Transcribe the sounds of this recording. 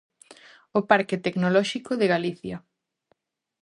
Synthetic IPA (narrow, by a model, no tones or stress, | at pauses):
opaɾket̪eknolɔʃikoðeɣaliθjɐ